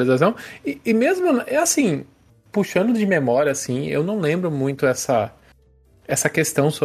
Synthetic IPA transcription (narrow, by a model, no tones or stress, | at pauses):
lizas̬ɐ̃w̃ɪɪmezmʊnʔɛasĩ | puʃɐ̃nd̪ʊd͡ʒɪmemɔɾiɐasĩḛwnɐ̃w̃lẽmbɾʊmũj̃t̪ʊɛsɐ | ɛsɐkest̪ɐ̃w̃so